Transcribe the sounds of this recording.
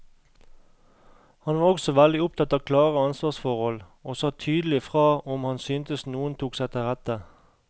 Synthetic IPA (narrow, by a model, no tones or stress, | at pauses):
hɑnʋɑːʁɔɡsɔʋæld̪ɪʊp̚t̪ʰɑt̪ːɑkʰlɑːʁəɑnsʋɑːsfɔʁhɔl | oːsɑt̪ʰyːd̪l̩ɪfʁɑːɔmhɑnsyːnt̪əsnuːənt̪ʰuːksæɪt̪ʰɪʁæt̪ə